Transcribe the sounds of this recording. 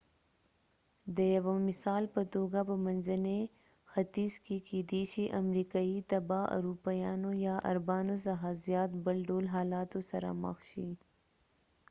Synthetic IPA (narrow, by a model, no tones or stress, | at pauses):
d̪əjawamɪsɑːlpət̪oɡapəmanzəne | xat̪iskekeːd̪eʃiʔamɾikɑːit̪abɑʔa̰ɾupajɑnojɑʔa̰ɾbɑːnosaɦɑzjɑːt̪bəlɖolɦɑːlɑt̪osɐɾa̰mə̰xʃi